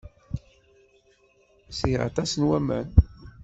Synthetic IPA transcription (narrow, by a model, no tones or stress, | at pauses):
siʁa̰t̪æsənwæmæ̰n